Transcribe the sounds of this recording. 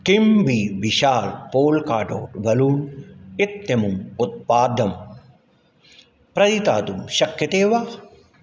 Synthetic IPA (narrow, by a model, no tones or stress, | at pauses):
kimbiːʋiʃaːlpoːlkaːʈo̰ːʈʋɐluːnɪt̪jɐmumut̪̚paːd̪ʱɐm | pɾɐɾit̪a̰ːt̪umʃɐkjɐt̪eːʋaː